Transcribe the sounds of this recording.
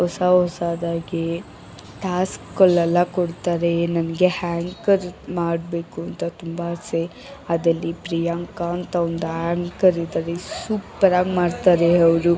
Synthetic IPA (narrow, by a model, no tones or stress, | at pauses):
ɔsaɦɔsaːd̪aːɡe | ʈaːskːɔlːɛlːɐkoɽt̪aːɾenɐnɐɡe̞haːŋkɐɾmaːɖbe̞ːkuɐnt̪ɐt̪umbɐɐse | ɐd̪ɐlːipɾijaŋkaːnt̪ɐond̪uɦaːŋkɐɾid̪aːɾesuːpɐɾaːɡmaːɽt̪aːɾeɐʋɾu